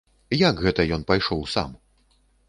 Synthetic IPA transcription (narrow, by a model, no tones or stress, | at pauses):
jakɣɛt̪ɐjɔnpajʂɔwsa̰m